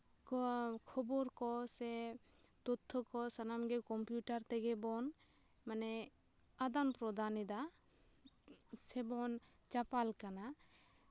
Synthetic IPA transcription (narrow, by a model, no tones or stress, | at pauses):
kkʰɔbɔɾkɔsɛ | t̪ɔt̪ʰːɔkɔsanamɡɛkɔmpjuʈaɾt̪ɛɡɛbɔn | manɛ | ad̪anpɾɔd̪anid̪a | sɛbɔn | t͡ʃapalkana